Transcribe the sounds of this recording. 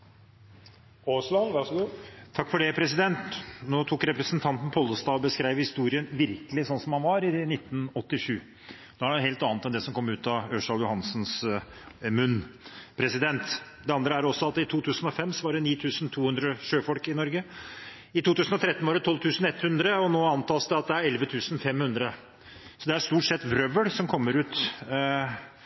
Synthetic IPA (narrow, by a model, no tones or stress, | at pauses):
oːslɑnʋæʂɡut̪ʰɑkːfɔɖɛpʰɾɛs̬ɪd̪ɛnt̪noːt̪ʰuːkɾɛpɾəsnt̪ʰɑnt̪n̩pʰɔlːəst̪ɑːɔbəskɾæɪʋhɪst̪uːɾɪənʋɪɾkəlɪsɔnːsɔmhɑnʋɑɾɪnɪt̪ːnɔt̪ːɪʂʉː | d̪ɔæɖɛheːlt̪ɑːnət̪ɛnd̪ɛsɔmkʰɔmːʉːt̪ɑøʂɑljʊhɑnsns | mʉnpʰɾɛsɪd̪ɛnt̪d̪ɛɑnd̪ɾəæɾɔsːɔɑt̪ɪt̪ʰuːt̪ʰʉːsənɔfɛmːsɔʋɑɖɛniːt̪ʰʉːsnt̪ʰuːhʉnd̪ɾəʂøːfɔlkɪnɔɾɡə | ɪt̪ʰuːt̪ʉːsnɔt̪ɾɛt̪nʋɑɖɛt̪ʰɔlʋt̪ʰʉːsn̩ɛt̪ːhʉnd̪ɾəɔnoːɑnt̪ɑːsd̪ɛɑt̪̚d̪ɛæɾɛlʋət̪ʰʉːsn̩fɛmhʉnd̪ɾə | sɔd̪ɛæɾʂt̪uːʈsɛt̪ːʋɾœʋəɽsɔmkʰɔmːəɾʉːt̪